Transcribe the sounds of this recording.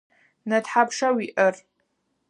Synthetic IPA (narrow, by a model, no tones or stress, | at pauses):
nadħapʰʂawiʔər